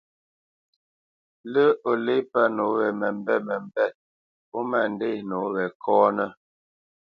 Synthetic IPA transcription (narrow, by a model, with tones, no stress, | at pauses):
lə˦o˨le˦pa˦no˨˦ɣɛ˨mɛ˨m˦bɛ˦˨mɛ˨m˨bɛ˦˨t̚ | o˦ma˨n˦de˦˨no˨˦ɣɛ˨kʰɔː˦nə˦